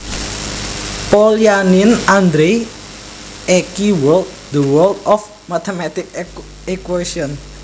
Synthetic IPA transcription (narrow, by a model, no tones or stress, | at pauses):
poljanɪnand̪ɾe | ekiwɔlt̪̚d̪əwəlt̪ɔf | mat̪emat̪ɪk̚ | ekwesiɔn